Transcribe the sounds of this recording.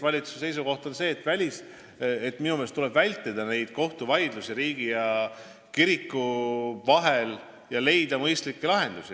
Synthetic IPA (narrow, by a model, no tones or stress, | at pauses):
vɑlʲit̪su̥sse̞js̬uko̞ht̪o̞nse̞ːt̪ːˑvælʲis | et̪ːminumest̪ule̞b̥vælʲt̪ːˑed̪̥ɑne̞jd̪̥ko̞ht̪uvɑjd̪lusiɾiːɡ̥ijɑ | kiɾikːˑuvɑɦe̞l | jɑle̞jd̪̥ɑmɤjst̪likːelɑɦe̞nd̪̥usi